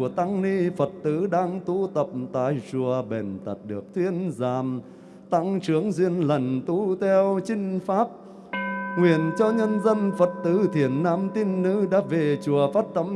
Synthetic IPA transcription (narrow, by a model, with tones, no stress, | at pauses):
u˧˩ət̪a˧ŋli˧fə˨˩t̚t̪ɨ˧˥ɗaː˧ŋt̪u˧˦t̪ə˨˩p̚t̪a̰ː˧˨jt͡ɕu˨˩əɓe˨˩nt̪ə˨˩t̚ɗɨ˨˩ək̚t̪ʰwi˧ənzaː˨˩m | t̪a˧ŋt͡ɕɨ˨˦əŋzwi˧ənlə˨˩nt̪u˧˥˦t̪ʰɛ˧wt͡ɕï˧ŋ̟faː˦˥p̚ | ŋwi˨˩ənt͡ɕɔ˧ɲə˧nzə˧nfə˨˩t̚t̪ɨ˨˦t̪ʰi˨˧˩ənːaː˨˥mt̪i˧nːɨ̰˧˥ɗa̰ː˧˥ve˨˩t͡ɕu˨˩əfaː˦˥t̚t̪ə˧˥m